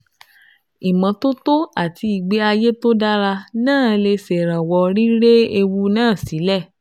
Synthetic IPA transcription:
i˨mã˨˦to˦to˦a˨tʰi˨˧i˨ɡ͡be˨˦a˧je˦to˦da˦ɾa˧nãː˦˨˦le˧se˨ɾ̃ã˨wɔ˧ɾi˦ɾe˦e˧wu˧˦nãː˦˨si˨˦lɛ˦˨

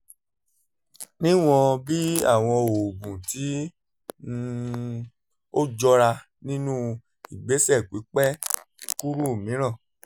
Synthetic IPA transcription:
nĩ˦w̃ɔ̃˧bi˦a̰˦˨w̃ɔ̃˧o˨bũ˨ti˨˦ | o˦d͡ʒɔ˦ɾa˧ | nĩ˦nũ˦ | i˨ɡ͡be˨˦sɛ˦˨k͡pi˨˦k͡pɛ˦ | ku˦ɾu˦˨mĩ˨˦ɾ̃ã˦˨

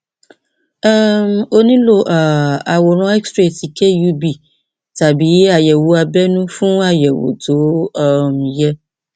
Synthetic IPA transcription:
ɛ˦mo˦nĩ˦lo˨ʔa˨wo˨ɾ̃ɔ̃˦ɛ˦kstɾe˨si˨ke˦ju˦bi˨ | ta˨bi˨˦a˨jɛ˨wo˦a˨bɛ˦nũ˦fũ˦a˦jɛ˨wo̰˨do˨˦m˨jɛ˦

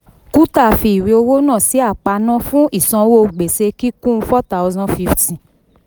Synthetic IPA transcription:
ku˦ta˦˨fi˧i˨ɾi˨˧o˧wo˦nãː˦˨si˨˦a˦˨k͡pa˧nã˦fũ˦i˦˨sã˧wo˦ɡ͡be˨se˧ki˦kũ˦˧fɔ˦ta˨˦wzã˦nfi˦ftĩ˦˨

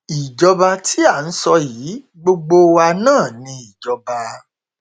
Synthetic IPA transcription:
i˨d͡ʒɔ˧ba˧tʰi˦a˦˨n̩˦sɔ˧jiː˨˦ | ɡ͡bo˧ɡ͡bo˧wa˧nãː˦˨nĩ˧i˨d͡ʒɔ˧ba˧

